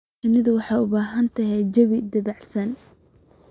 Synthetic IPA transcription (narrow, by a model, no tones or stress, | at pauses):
ɐnɪðɐwɑħɑːʊbaːɦɐnt̪ʰɐɦɛd͡ʒɐβɪd̪ɐβɑʕsɐn